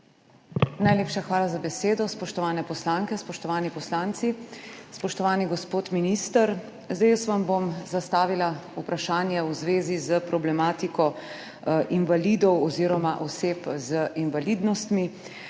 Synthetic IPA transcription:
najleːpʃaxʋaːlazabɛseːd̪ɔspɔʃt̪ɔʋaːnɛpɔslaŋkɛspɔʃt̪ɔʋaːnipɔslaːnt̪sispɔʃt̪ɔʋaːniɡɔspoːt̪miniːst̪əɾ | zd̪esʋambomzast̪aːʋilaupɾaʃaːnjɛwzʋeːzizəpɾɔblɛmaːt̪ikɔ | ʔinʋalid̪ɔwɔziːɾɔmaʔɔseːpzəinʋalid̪nɔst̪mi

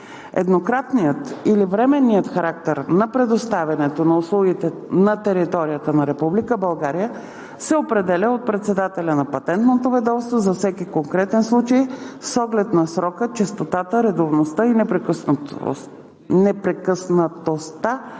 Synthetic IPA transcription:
ɛ̰d̪nokɾat̪nijət̪ilivɾɛmɛnːijət̪xɐɾak̚t̪ɛɾnɐpɾɛd̪ost̪avʲɐnɛt̪onɐʊslˠuɡit̪ɛnɐt̪ɛɾit̪ɔɾijət̪ənɐɾɛpublikəbɐlˠɡaɾijə | sɛopɾɛd̪ɛlʲəot̪̚pɾɛt̪sɛd̪at̪ɛlʲənɐpɐt̪ɛnt̪not̪ovɛd̪ɔfst̪vozɐfsɛkikoŋkɾɛt̪ɛnslˠut͡ʃəjsɔɡlɛt̪nɐsɾɔkət͡ʃɛst̪ot̪at̪əɾɛd̪ovnost̪əinɛpɾɛkəsn | nɛpɾɛkəsnət̪ost̪a

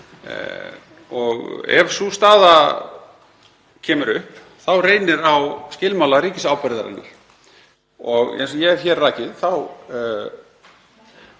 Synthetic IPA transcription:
ɔɣɛ̰vsust̪aːða | cʰɛːmʏɾʏhp | θawreːjnɪɾawscɪːlmawlaɾiːcɪsawpɛɾðaɾa̰nːʏ̰l | ɔɣḛjnsɔjɛɣɛɾçɛɾrːaːjcɪðθaw

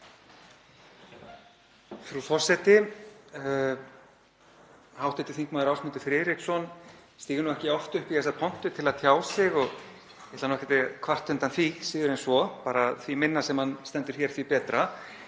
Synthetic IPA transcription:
fɾufɔr̥sɛt̪ɪ | hawht̪ɛt̪ɪ̥θiŋkmaːðɪɾawsmɪnt̪ɪfɾɪːðɾiksɔnst̪iːɣɪɾnuɛhcɪɔft̪ʏhpiθɛsaɾpʰɔn̥t̪ʏt̪ʰɪlaðt̪ʰjaːwsɪɣɔɣ | ɛht̪lanɔhkɛt̪ɪkʰvar̥t̪ːʏnt̪anθvisiːðʏɾɛnsvɔpaːɾaθvimɪnːasɛmhanst̪ɛnt̪ɪɾ̥çɛɾ̥θvipɛːt̪ɾa

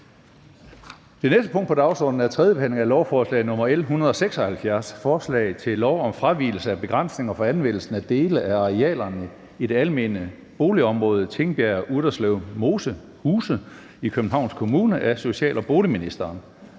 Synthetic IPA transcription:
d̥e̝nesd̥əpʰɔ̽ŋ̰d̥pʰɒ̽d̥ɑ̈ʊsɒ̰ːd̥n̩æɐt͡sʰʁɛðˠjəb̥ehæn̰le̝ŋælɒʊfɒːslɛ̰ɪnɔ̽mɐelɦunɐð̞̩ˠɒ̽seɡ̥sɒ̽hælfjæɐsfɒːslɛ̰ɪt͡sʰe̝lːɒʊɒ̽mfʁaʋḭːl̩səæb̥e̝ɡ̥ʁan̰sne̝ŋɐfɒ̽ænʋen̰l̩sn̩æd̥e̝ːləʔæɑ̈ʁiɛ̰ːlɐnə | id̥e̝ælme̝̰ːnə | b̥o̝ːliɒ̽mʁɔ̽ːð̞̩ˠt͡sʰe̝ŋb̥jæɐʔud̥ɐslɛʊmo̝sə | huːsə | ikʰøb̥n̩ɦɑ̈ʊ̰nskʰo̝muːnəʔæso̝ɕɛ̰ːlʔɒb̥o̝ːliminisd̥ɐːn

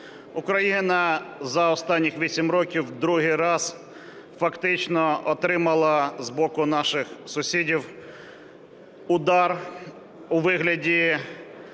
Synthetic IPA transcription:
ʊkɾɐjinɐzɐɔst̪ɑnʲːixʋʲisʲimɾɔkʲiwd̪ɾuɦɪjɾɑz̥ | fɐkt̪ɪt͡ʃnɔɔt̪ɾɪmɐlˠɐzbɔkʊnɑʃɪxsʊsʲidʲiw | ʊd̪ɑr | ʊʋɪɦlʲɐdʲi

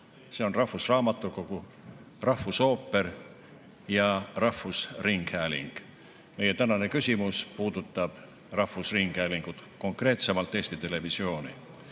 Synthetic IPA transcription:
se̞o̞nrɑhusrɑːmɑt̪ːˑuko̞ɡ̥u | rɑhvuso̞ːpːe̞ɾ | jɑrɑhvusriŋɡ̥hæːlḭŋɡ̥ | me̞je̞t̪ænɑne̞kysʲimuspuːd̪̥ut̪ːˑɑb̥ | rɑhusriŋɡ̥hæːliŋɡ̥ut̪ko̞ŋkre̞ːt̪se̞mɑlt̪ːˑe̞ːsʲt̪it̪e̞le̞visio̞ːnḭ

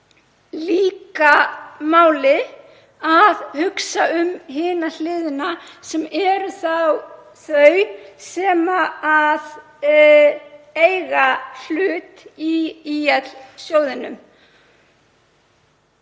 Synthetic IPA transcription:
liːkamaːwlɪ | aðhʏksaʏmɦɪːnal̥ɪːðʏnasɛmɛɾθaw | θœɥsɛːmaað | ejɣal̥ʏːt̪iiːjɛt̪lsjoːwðɪnʏm

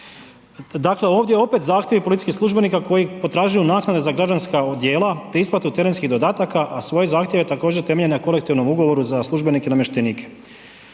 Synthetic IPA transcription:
d̪akle̞o̞ːʋd̪jeo̞pe̞t̪zaːxt̪jeʋipolit̪i̥skixsluʒbe̞nikako̞jipo̞t̪ɾaːʒajunaːknad̪e̞zaɡɾad͡ʒanskaod̪je̞ːlat̪e̞isplat̪ut̪e̞ɾe̞nskiɣd̪o̞d̪aːt̪akaʔasʋo̞jezaːxt̪jeʋet̪ako̞ːd͡ʒeɾt̪eme̞ʎeneko̞le̞kt̪iʋno̞muɡo̞ʋo̞ɾuzaslˠuʒbe̞nikenamjeʃt̪eniːkʰe̥

